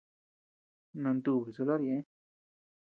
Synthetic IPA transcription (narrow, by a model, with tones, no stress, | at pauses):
nã˧nd̪u˧˨βi˨so˧la˦ɾjẽ˧˦